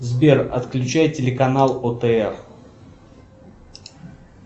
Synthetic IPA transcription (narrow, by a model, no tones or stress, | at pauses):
zbʲerɐ̰t̪klʲʉt͡ɕæjtʲɪlʲɪkɐnalˠot̪əɛr